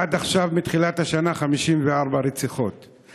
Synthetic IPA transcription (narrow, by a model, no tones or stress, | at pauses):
ad̪aχʃavmit̪χilathaʃanaχamiʃimveaʁbaɾet͡siχo̞t̪